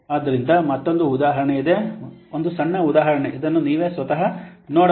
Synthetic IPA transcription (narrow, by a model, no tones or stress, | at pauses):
aːd̪ːɐɾind̪ɐmɐt̪ːo̞nd̪uːd̪aːɦɐɾɐɳeid̪e̞ond̪usɐɳːɐud̪aːɦɐɾɐɳeʔid̪ɐnːuniːʋe̞ːsʋɐt̪ɐɦɐnoːɽ